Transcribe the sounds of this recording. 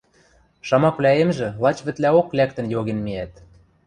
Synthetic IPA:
ʃɑmɑkβlʲæemʒĕlˠɑt͡ɕβɘ̆t̪læoklæk̚t̪ə̆njoɣenmiæt̪

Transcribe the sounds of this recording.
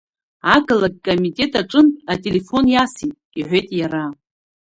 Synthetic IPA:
aɡalak̚ʲʼkʼomitʼe̞tʼaʈ͡ʂʼɨnʼatʼe̞le̞fonjasitʼiħʷe̞jtʼjaɾa

